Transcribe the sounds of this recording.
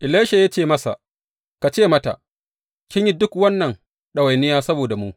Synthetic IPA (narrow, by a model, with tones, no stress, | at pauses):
ʔɪ˨leː˦ʃa˨ja˦t͡ʃeː˦˨mɐ˦sa̰˨ | ka˨t͡ʃeː˦˨mɐ˦ta̰˨ʔ | kʲɪ˦ɲji˦dʊ˦kwɐ˦nːɐ˨ŋ | ɗɐ˨wa˨jnɪ˦jaː˦sɐ˦boː˨da˨mu˦ʔ